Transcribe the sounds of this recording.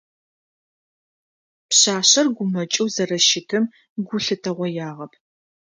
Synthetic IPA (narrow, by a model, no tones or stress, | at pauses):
pɕaːɕɐrɡʷʊmɐt͡ʃʼɨwzɐrɐʃɪtʰɨm | ɡʷʊɬɨtʰɐʁʷɔjaːʁɐpʰ